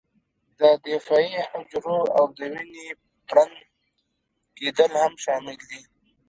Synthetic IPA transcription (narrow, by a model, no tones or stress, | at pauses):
d̪əd̪efɑihʊd͡ʒɾoawd̪əwini | pɽan | ked̪əlhamʃɑːmɪld̪i